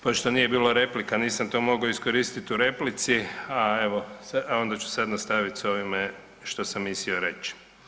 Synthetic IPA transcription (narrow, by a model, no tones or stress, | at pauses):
poʃt̪o̞nije̞biːlaɾe̞plikaniːsamt̪o̞ːmo̞ɡaoisko̞ɾiːst̪it̪uɾe̞plit̪siaeʋosaao̞nd̪at͡ʃu̥sad̪nast̪aʋit̪so̞ʋime | ʃt̪o̞samːisioɾe̞t͡ʃ